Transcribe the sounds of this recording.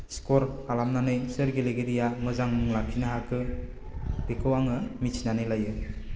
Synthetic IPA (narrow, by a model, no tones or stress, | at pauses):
skɔɾalamnanɯjsɯɾɡeleɡeɾijamɯzaŋmɯŋlakʰinɯɦakʰɯ | bekʰɯwaŋɯmit͡ʃʰinanɯjlajɯ